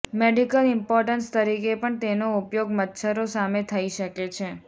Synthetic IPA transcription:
meɖikəlɪmpɔɾʈənst̪əɾikepəɳt̪enoupjoɡmət̪ʃʰəɾosamet̪ʰəiʃəket͡ʃʰe

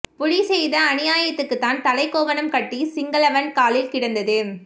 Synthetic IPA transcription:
pʊɻisɛjðɐːnɪjaːjɐt̪ːɯkːɯt̪ːaːnt̪ɐlɐɪkːoːʋɐnɐmkɐʈːisɪŋɡɐlɐʋɐnkaːlɪlkɪɽɐnd̪ɐðɯ

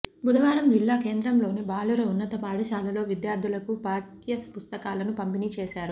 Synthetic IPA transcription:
bʱud̪ʱɐʋaːɾɐmd͡ʒilːaːke̞ːnd̪ɾɐmlo̞ːnibaːluɾɐunːɐt̪ɐpaːɽɐʃaːlɐlo̞ːʋid̪jaːɾd̪ʱulɐkupaːʈijɐspust̪ɐkaːlɐnupɐmpinit͡ʃeːʃaːɾu

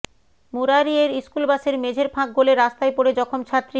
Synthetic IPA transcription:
muɾaɾieɾiskulbaʃeɾmed͡ʑʱeɾpʰãk̚ɡoleɾast̪ajpoɾed͡ʑɔkʰomt͡ɕʰat̪ːɾi

